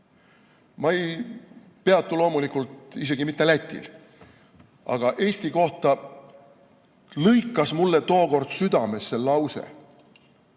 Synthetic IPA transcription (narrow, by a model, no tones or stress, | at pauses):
mɑe̞j | pe̞ɑt̪ːˑulo̞ːmulikult̪ise̞ɡimit̪ˑːælæt̪ʲːˑḭl | ɑ̰ɡ̥ɑʔe̞ːsʲt̪iko̞ht̪ɑ | lɤjkˑːɑsmulːe̞t̪o̞ːko̞rd̪̥syd̪ɑme̞sːe̞lɑwse̞̰